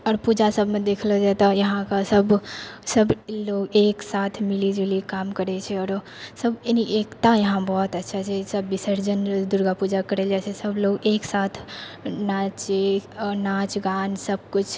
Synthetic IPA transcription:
ɔːɾpud͡ʒasəbʱmẽd̪ekʰld͡ʒɛt̪ɔjəɦãkasəbsəbloɡeksat̪ʰmilid͡ʒelikamkəɾɛt͡ʃʰɛɔɾ | səbeniʔekt̪ajəɦãbɔɦt̪ətːʃʰat͡ʃʰɛsəbːisəɾd͡ʒənd̪uɾɡapud͡ʒakəɾɛld͡ʒat͡ʃʰɛsəbloɡeksat̪ʰnat͡ʃenat͡ʃɡansəb̚kut͡ʃʰ

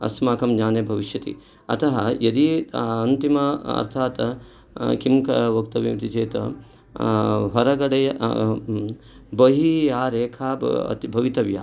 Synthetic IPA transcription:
ɐ̰smaːkʰɐmɲaːnebʱɐʋiʃjɐt̪ḭ | ɐ̰t̪ʰɐɦɐjɐd̪iɐnt̪imɐɐ̰ɾt̪ʰaːt̪ | kimkʰɐʋɐkt̪ɐʋimt̪it͡ʃeːt̪ɐ̰ | ɦɐɾɐɡɐɽɐjɐ | bɐɦijaːɾeːkʰaːɐ̰t̪ibʱɐʋit̪ɐʋja̰ː

